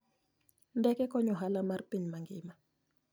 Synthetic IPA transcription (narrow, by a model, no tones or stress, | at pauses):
ndɛkɛkɔɲɔɦalamarpinmaŋɡiːma